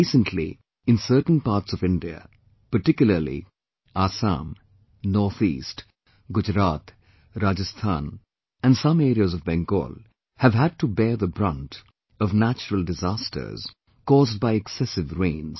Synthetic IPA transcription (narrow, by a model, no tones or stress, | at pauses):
isə̃ntʰlḭ | ɪ̃nsəːʈn̩paɾʈsɔvɪ̃nɖiə̰ | pəʈɪkjʊləlḭ | aːsã̰m | nɔɹθḭːst | ɡʊd͡ʒɾaːt̪ | ɾad͡ʒɨst̪ʰãːn | æ̃nsʌ̃meɾiəzɔvbɛ̃ŋɡo̰ːl | hævɦæd̚ʈubɛɹðəbɾʌ̃nʈ | ʌvnæt͡ʃəɾəlˠdɪzastʰə̰˞z̥ | kɔːzd̚baɪɛksɛsɪvɾẽɪ̃nz̥